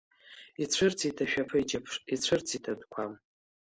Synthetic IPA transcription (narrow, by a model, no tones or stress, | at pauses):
it͡ɕʷʰɨrt͡sʰitʰaʃᶣapʰɨid͡ʒapʰʂit͡ɕʷʰɨrt͡sʰitʰadkʷʰam